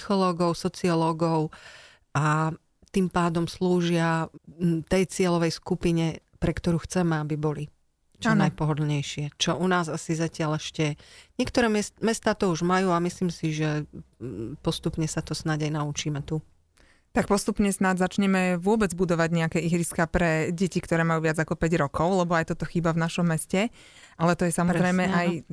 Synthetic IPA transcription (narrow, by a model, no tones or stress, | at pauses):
sixɔlɔːɡɔʊsɔt͡siɔlɔɡɔʊ | a | t̪impaːd̪ɔmsluːʒɪa | t̪ɛjt͡sɪɛlɔʋɛjskupiɲɛ | pɾɛkt̪ɔɾuːxt͡sɛmɛabibɔli | t͡ʃːnajpɔɦɔd̪lɲɛjʃɪɛt͡ʃɔʔunaːzasizacɪalɛʃcɛɲɪɛkt̪ɔɾɛːmɛst̪aːt̪ɔuʒmajuːamisliːmsiʒɛ | pɔst̪upɲɛsat̪ɔsnaɟajnaut͡ʃiːmɛt̪u | t̪ak̚pɔst̪upɲɛsnadzat͡ʃɲɛmɛʋʊɔbɛd͡zbud̪ɔʋaɟɲɛakɛːiɦɾiskapɾɛɟɛcikt̪ɔɾɛːmajuːʋɪad͡zakɔpɛɟɾɔkɔʊlɛbɔajt̪ɔt̪ɔxiːbavnaʃɔmːɛscɛ | ʔalɛt̪ɔjɛsamɔzɾɛjmɛʔaj